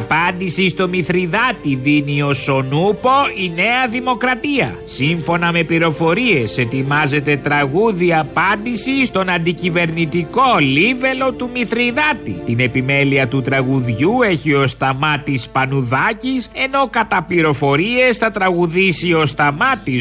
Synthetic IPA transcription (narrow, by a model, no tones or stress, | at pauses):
ɐpɐnd̪isist̪o̞miθɾiðɐt̪iðinio̞so̞nupo̞ine̞ɐðimo̞kɾɐt̪iɐ̰siɱfo̞nɐme̞pliɾo̞fo̞ɾie̞se̞t̪imɐze̞t̪e̞t̪ɾɐɣuðiɐpɐnd̪isist̪o̞nɐnd̪icive̞ɾnit̪iko̞live̞lo̞t̪umiθɾiðɐt̪ḭt̪ine̞pime̞liɐt̪ut̪ɾɐɣuðʝue̞çio̞st̪ɐmɐt̪ispɐnuðɐcise̞no̞kɐt̪ɐpliɾo̞fo̞ɾie̞sθɐt̪ɾɐɣuðisio̞st̪ɐmɐt̪i